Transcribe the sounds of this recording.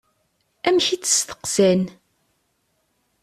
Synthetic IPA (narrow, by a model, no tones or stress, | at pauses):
æmçit͡sːə̥st̪ə̥qsæn